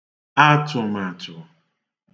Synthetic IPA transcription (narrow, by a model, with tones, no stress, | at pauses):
a˦tʊ˨ma˨tʊ˨